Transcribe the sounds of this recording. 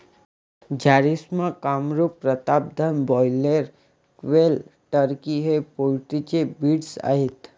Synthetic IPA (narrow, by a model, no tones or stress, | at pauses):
d͡ʒaɾismãkamɾupɾət̪ab̚d̪ʱənbɔjleɾ | kʋelʈəɾkiɦepolʈit͡ʃebiɽsa̰ɦet̪